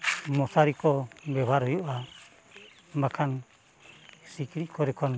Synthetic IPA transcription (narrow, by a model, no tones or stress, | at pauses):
mosaɾikɔmbɛβaɾujuʔa | mbakʰan | sikiɾikɔɾikʰɔn